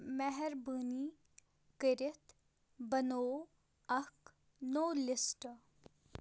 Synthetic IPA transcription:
mɛɦɛɾbəːni | kɪɾɪt̪ | bɐnoː | ɐk | noːlɪsʈ

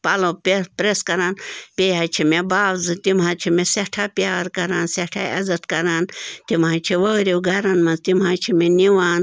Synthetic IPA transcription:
paːlõːpepɾeskɐɾaːnpʲeːɦaːt͡ʃʰimebaːwzɨt̪imãːt͡ʃʰimẽseʈʰaːpjaːɾkɐɾaːnseʈʰaɐ̰zɐt̪kɐɾaːnt̪imãːt͡ʃʰiʋɐːɾiwɡʱɐɾɐnmɐ̃nzt̪imɦaːt͡ʃʰimẽniʋaːn

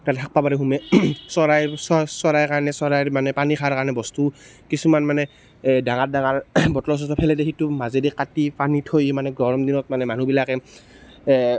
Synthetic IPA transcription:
tatɛtʰak̚pabaɾɛɦumɛsɔɹajsɔsɔɹajkaɹɔnɛsɔɹajɹmanɛpanixʰaɹkaɹɔnɛbɔstu | kisumanmanɛ | daŋat̚daŋaɹbɔtɔlɔs̬ɔtɔpʰɛlɛdexitumazedikːatipanitʰojmanɛɡɔɹɔmdinɔt̚manɛman̤ubilakɛ

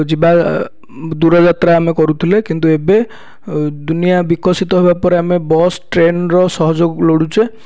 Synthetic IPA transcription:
d͡ʒiba | d̪uɾɔd͡ʒat̪ɾaːmekɔɾut̪ʰilekint̪uebe | d̪unijabikɔsit̪ɔɦebapɔɾeamebɔsʈɾenɾɔsɔɦɔd͡ʒoɡloɽut͡ʃe

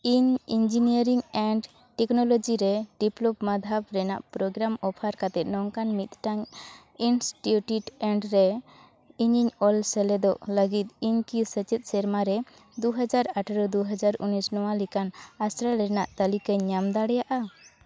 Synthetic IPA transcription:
iɲind͡ʒiniəɾiŋɛɳɖ | ʈɛknɔlɔd͡ʒiɾɛɖiplɔpmad̪ʱapɾɛna̰ʔpɾɔɡɾamɔpʰaɾkat̪ɛt̪̚nɔŋkanmit̪̚ʈaŋ | insʈuʈjuʈɛɳɖɾɛ | iɲiɲɔlsɛlɛd̪ɔʔləɡit̪̚iɲkisət͡ʃɛt̪̚ˀsɛɾmaɾɛ | d̪uɦəd͡ʒaɾaʈʰɾəd̪uɦad͡ʒaɾunisnɔwalikanasɾaɾɛnaʔt̪əlikaɲamd̪aɽɛjaʔa

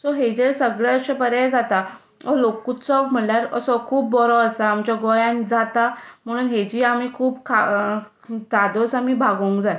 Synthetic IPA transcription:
sɔɦed͡ʑesəɡɭeəɕapəɾjad͡zat̪a | ɔlokut͡sɔm̤əɳljaɾəsɔkʰuːb̚ːɔɾɔəsaːmt͡ɕjaɡɔjãnd͡zat̪am̤əɽ̃uːnɦed͡ʑiːamiːkʰuːbkʰa | t̪ad̪osamiːbʱaɡoŋkd͡zaj

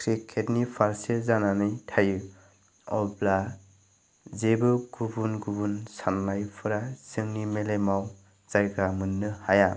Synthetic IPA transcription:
kʰɾikʰːetnipʰaɾsezananɯjtʰajɯ | ɔbla | zebɯɡubunɡubunsanːajpʰɯɾasɯŋnimelemaw | zajɡamɯnːɯhaja

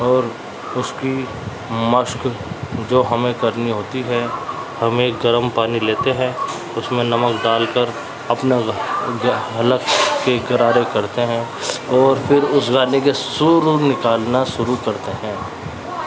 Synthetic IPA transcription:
ɔːɾ | ʊski | məʃkd͡ʒoːɦɐmẽkɐɾniɦoːt̪iɦɛ | hɐmeːɡɐɾəmpaːnileːt̪eɦɛ̃ː | ʊsmẽnɐməkɖaːlkəɾ | ɐpna | ɦɐləkːeɡɐɾaːɾekɐɾt̪eɦɛ̃ːɔːɾfʰɪɾʊsɡaːnek̬esʊɾnɪkaːlnaʃʊɾukɐɾt̪eɦɛ̃ː

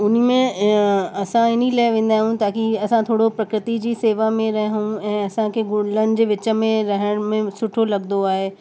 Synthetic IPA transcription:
ʊn̤mẽ | ɐsãɪnilaːɪʋẽːn̆d̪aːɦũt̪aːkiɐsãt̪ʰoːɽopɾɐkɾɪt̪id͡ʑiːseːʋamẽɾɐɦɦũɛ̃ːɐsãkʰeɡʊlənɪ̆d͡ʑeːʋɪt͡ɕə̆mẽɾɐɦəɽ̃mẽsʊʈʰolɐɡnd̪d̪oaːɦeː

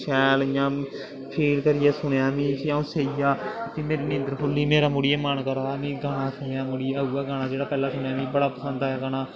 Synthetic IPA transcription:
ʃʰɛːlɪjãː | pʰiːlkəɾɪjɛːsʊɽeaːmĩːsãõːseːijaːt̪iːmeːɾiːnɪ̃nd̪əɾɦʰolːiːmeːɾaːmʊɽiːemaːnkəɾaːmĩːɡaːɽ̃aːsʰʊeaːmʊɽiːauːɛːɡaːɽ̃aːd͡ʒeːɽaːpɛːlãːsʊɳeaːʋĩːbəɽaːpəsənd̪aɛːɡaɽaː

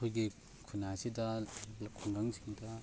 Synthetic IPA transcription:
kʰojɡi | kʰunasidɐlɐkʰuŋɡaŋsiŋdɐ

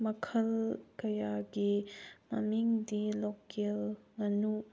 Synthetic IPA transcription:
mɐkʰɐlkɐjaɡimɐ̰miŋdilokelŋɐnu

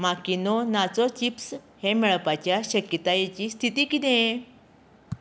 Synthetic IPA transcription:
makinɔnat͡sɔt͡ɕipshemɛɭpat͡ɕjaɕəkjət̪ajet͡ɕiːst̪ʰit̪iːkid̪ẽ

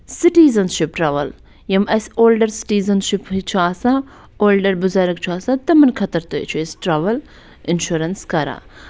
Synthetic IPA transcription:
siʈiːzɐnʃip̚ʈɾɐʋɐl | jɐmɐsoːlɖɐɾsi̥ʈiːzɐnʃiphit͡ʃʰaːsa | oːlɖɐɾbuzɐɾɐkt͡ʃʰuaːsat̪ɐmɐnkʰɐt̪ɐɾt̪ojt͡ʃʰuesʈɾɐʋɐl | ɪnʃuɾɐnskɐɾa̰

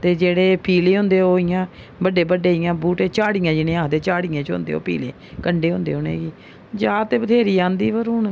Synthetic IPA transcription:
t̪eːd͡ʒeːɽeːpʰiːleːɦʊ̃nd̪eːoːɪjãː | bəɖeːbəɖeːɪjãːbuːʈeːt͡ʃaːɽijãːd͡ʒɪnẽːaːd̪eːt͡ʃaːɽiːãːt͡ʃõ̰nd̪ḛːo̰ːpḭːlḛːkəɳɖeːɦʊ̃nd̪ḛːonḛːɡiː | d͡ʒaːt̪eːbət̪ʰeːɾiːãːnd̪iːʋəɾuːɳ

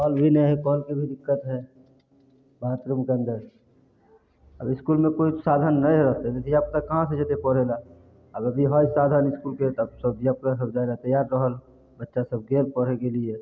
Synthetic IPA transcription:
kɔːlbʱinəɦikɔːlkebʱid̪ɪkːət̪ɦɛ | bʱaːt̪ɾəmkeə̃nd̪əɾ | əbɪskulmẽkoisad̪ʱənːəĩɾəɦt̪ed̪et̪ʰijap̚kakɐɦãsed͡ʒɛt̪epəɾela | əbəbʱiɦəjsad̪ʱənɪskulket̪əbsəbijap̚kas̬əbd͡ʒalat̪əjaɾːəɦəl | bətːʃasəb̚ɡelpəɽ̤ekelie

